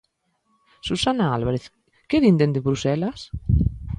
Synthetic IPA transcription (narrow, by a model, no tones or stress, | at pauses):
susanaalβaɾeθ | keðind̪end̪eβɾusɛlas